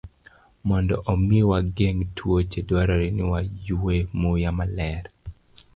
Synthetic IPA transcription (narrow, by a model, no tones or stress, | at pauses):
mɔndɔ̰ʔomiwaɡeŋtʰwot͡ʃedwaɾɔɾinɪwajuwemojamalɛɾ